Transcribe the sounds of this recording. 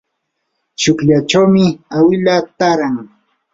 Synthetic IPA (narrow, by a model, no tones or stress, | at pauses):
t͡ʃʊkʎat͡ʃawmɪawɪlat̪aɾaŋ